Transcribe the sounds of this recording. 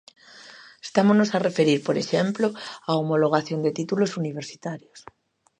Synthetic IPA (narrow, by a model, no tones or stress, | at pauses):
e̥st̪amonosarefeɾiɾpoɾeʃemploaomoloɣ̞aθjond̪et̪it̪ulosuniβ̞eɾsi̥t̪aɾjos